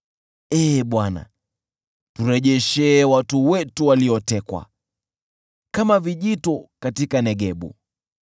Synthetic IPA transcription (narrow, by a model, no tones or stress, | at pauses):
ɛːɓwana̰ | tuɾɛʄɛʃɛːwatuwɛtuwaliɔtɛkwa̰ | kamaviʄitɔkatikanɛɠɛɓṵ